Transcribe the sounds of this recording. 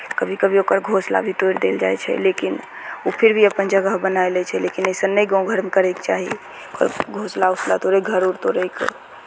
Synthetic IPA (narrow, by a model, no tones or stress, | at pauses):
kəbʱikəbʱiokəɾɡʱosla̰bʱit̪ojɾd̪eld͡ʒajt͡ʃʰɛ̰lekin | upʰiɾbʱiəpənd͡ʒəɡəɦbənaelɛt͡ʃʰɛlekinəjsənnːəjɡãw̃ɡʱəɾmkəɾɛjkt͡ʃaɦḭ | okə̰ɾɡʱoslausla̰t̪oɾəɡʱəɾuɾt̪oɾəjk